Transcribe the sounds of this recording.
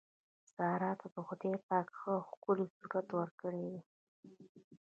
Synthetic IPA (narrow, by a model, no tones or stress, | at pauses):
z̥ɑɾɑt̪ʰad̪əxʊd̪epɑkxəxkʊlisuɾat̪wəɾkəɽewi